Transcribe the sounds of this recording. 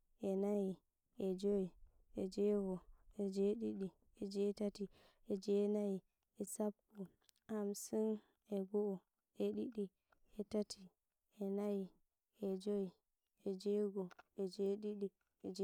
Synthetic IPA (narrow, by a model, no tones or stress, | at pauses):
ʔɛnaji | ɛd͡ʒoji | ɛd͡ʒɛːɡɔɛd͡ʒeɗiɗi | ɛd͡ʒɛtati | ɛd͡ʒɛnaji | ɛsapːu | ʔamsin | ɛɡɔɔ | ɛɗiɗi | ɛtati | ɛnaji | ɛd͡ʒoji | ɛd͡ʒɛɡɔɛd͡ʒeɗiɗi | ɛd͡ʒ